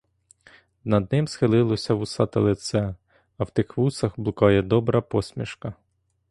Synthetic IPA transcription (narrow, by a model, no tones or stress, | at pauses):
nɐd̪nɪmsxɪlˠɪlˠɔsʲɐʋʊsɑt̪ɪlˠɪt̪sɛ | ɐwt̪ɪxʋusɐxblˠʊkɑjɛd̪ɔbɾɐpɔsʲmʲḭʃkɐ